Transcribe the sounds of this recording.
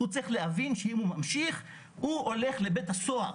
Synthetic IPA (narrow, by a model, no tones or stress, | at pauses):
ut͡sɐʁiχleavinʃeimhumamʃiχ | uole̞χle̞bethaso̞a